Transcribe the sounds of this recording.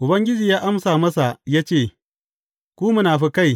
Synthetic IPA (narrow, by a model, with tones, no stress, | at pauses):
ʔʊ˨bɐ˦ŋɡʲɪ˦d͡ʒiː˨jaː˦ʔa˦msaː˨mɐ˦sa˨jaː˦t͡ʃeː˦˨ | kʷuː˦mʊ˦naː˨ɸi˦ka˦˨j